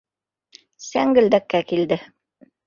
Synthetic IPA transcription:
sæŋɡɘ̆ld̪ækːækild̪ɘ

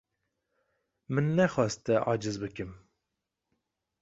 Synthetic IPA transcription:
mɨnːɛxɑːst̪ɛʔɑːd͡ʒɨzbɨkɨm

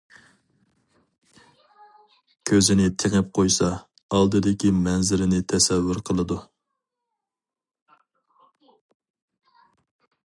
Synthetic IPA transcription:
kʲʰøzɪnɪt̪ʰeŋɪp̚qʰojsɑ | ɑlˠd̪ɨd̪ɪkʲimɛnzɪɾɪnɪt̪ʰɛsɛvːyɾqʰəlˠɨd̪u

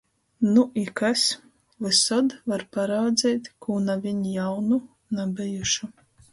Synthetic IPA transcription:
nuʔikas | vɨsɔd̪vaɾpaɾaːd̪zɛjt̪ʲkuːnavʲiɲjawnu | nabʲɛjuʃu

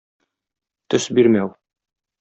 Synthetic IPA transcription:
t̪ɵʃbiɾmæw

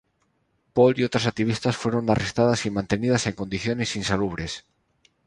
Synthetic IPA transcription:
poliowt̪ɾasak̚t̪iβ̞ist̪asfweɾonarest̪að̞asimãnt̪enið̞asẽŋkond̪iθjonesinsaluβ̞ɾes

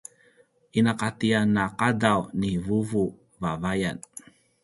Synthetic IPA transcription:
ʔinaqatianːaqadawnivuvu | vavajan

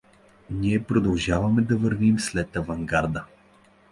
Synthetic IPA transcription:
niɛpɾod̪ɐlˠʒavɐmɛd̪ɐvɤɾvimslɛt̪ɐvɐŋɡaɾd̪ə

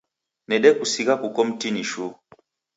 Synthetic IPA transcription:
nɛɗɛkusiɣakukɔm̩tiniʃu

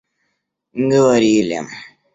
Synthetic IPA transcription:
ŋ̩ɡəwaɾilḛm

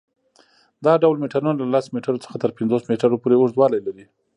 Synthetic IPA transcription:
d̪ɑɖawlmeʈaɾunalalasmeʈaɾot͡sə̥xat̪əɾpɪnd͡zosmeʈaɾopoɾeosd̪wɑlajlaɾi

